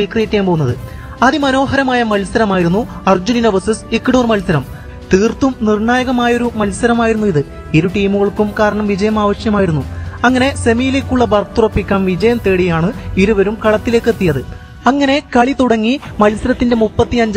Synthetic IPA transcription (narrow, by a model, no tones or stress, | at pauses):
iːkrijikʲːaːmpoːunːɐðɨ | ɐðimɐno̞ːɦɐɾɐmaːjɐmɐlsɐɾɐmaːjiɾunːuɐrd͡ʑuninɐbɐsisikːɽoːrmɐlsɐɾɐm | t̪iːrt̪ːumnirɳaːjɐɣɐmaːjɐoɾumɐlsɐɾɐmaːjiɾunːuiðɨ | iɾuʈiːmuɣɐɭkːumkaːɾɐɳɐmʋid͡ʑɐjɐmaːʋɐɕjɐmaːjiɾunːuɐŋːɐne̞se̞mijileːkʲːuɭːɐbɐrt̪ːurɐpːikʲːaːmʋid͡ʑɐjɐmt̪e̞ːɽijaːɳɨiɾuʋɐɾumkɐɭɐt̪ːile̞ːkːɨet̪ːijɐðɨ | ɐŋːɐne̞kɐɭit̪uɽɐŋːimɐlsɐɾɐt̪ːinde̞mupːɐt̪ːiɐɲd͡ʑ